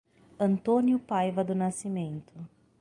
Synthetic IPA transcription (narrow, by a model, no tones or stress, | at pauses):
ɐ̃nt̪õnjʊpajvɐd̪ʊnasimẽnt̪ʊ